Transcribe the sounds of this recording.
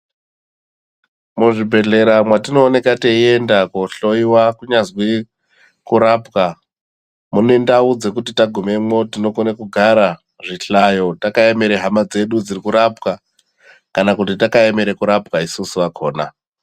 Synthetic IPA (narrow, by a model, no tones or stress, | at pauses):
muʐibʱe̞ɮe̞ɾamwatino̞ːne̞kateie̞ndakoɬo̞iwakuɲazwi | kuɾaːpka | mune̞ndaud͡zekutitaɡʱume̞mo̞tino̞konekuɡʱaɾa | ʐiɬajo̞takae̞meɾeɦamad͡ze̞ɗud͡zirikuɾapka | kanakutitakaemeɾekuɾapkaisusuʋakʰoːna